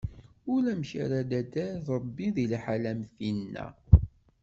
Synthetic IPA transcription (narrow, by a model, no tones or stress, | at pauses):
ʊlæmçæ̰ɾæd̪æd̪æɾðɾˤəbːiðilħalæmθinnːæ̰